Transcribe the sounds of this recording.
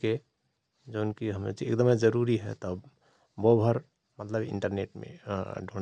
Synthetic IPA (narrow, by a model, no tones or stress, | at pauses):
ke | d͡ʒonkiɦəmḛd͡ʒeḛkd̪əmed͡ʒəɾuɾiɦɛ̰t̪ɔ | bobʱəɾ | mət̪ləbḭɳʈəɾneʈmḛ̃ɖʱoɽ